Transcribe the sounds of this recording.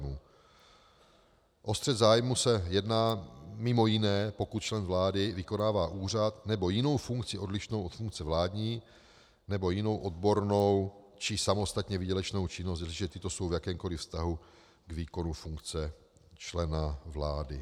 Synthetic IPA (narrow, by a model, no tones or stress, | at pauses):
muː | ʔo̞st̪r̥ɛd̪zaːjmusɛjɛdnaːmɪmo̞jɪnɛːpo̞kut̪̚t͡ʃlɛnvlaːdɪvɪko̞naːvaːʔuːr̝at̪nɛbo̞jɪno̞wfuŋkt͡sɪʔo̞dlɪʃnowʔot̪fuŋk̚t͡sɛvlaːdɲiː | nɛbo̞jɪno̞wʔo̞d̪bo̞ɾno̞w | t͡ʃɪsamo̞st̪at̪ɲɛvɪɟɛlɛt͡ʃno̞wt͡ʃɪnost̪siʒɛt̪ɪt̪o̞so̞wvjakɛːmko̞lɪfst̪aɦu | ɡviːko̞nufuŋkt͡sɛ | t͡ʃlɛnavla̰ːdɪ